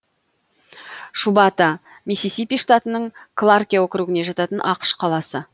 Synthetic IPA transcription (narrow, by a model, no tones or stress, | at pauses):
ʃubɑt̪ɑ | misisipʲijʂt̪at̪ənəɴkʰlˠarkʲijawokʲɪɾuɡʲɪne̞ʒɑt̪ɑt̪ənʔɑqə̥ʃqʰɑlˠɑsə